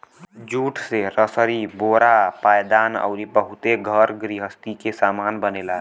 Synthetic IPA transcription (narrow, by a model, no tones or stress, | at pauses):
d͡ʒuːʈʰseɾəsəɾiboɾapajd̪anə̰ʊɾibəɦut̪eɡʱəɾɡɾiɦəst̪ikesamanbənela